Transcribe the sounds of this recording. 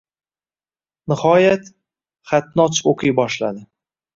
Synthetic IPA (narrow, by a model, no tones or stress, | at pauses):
nɪhɒjat̪ | χat̪̚nɒt͡ʃoqʰɨjbɒʃlad̪ɪ